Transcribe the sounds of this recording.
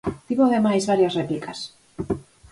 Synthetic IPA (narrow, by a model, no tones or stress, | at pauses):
t̪iβoðemajzβaɾjasreplikʰas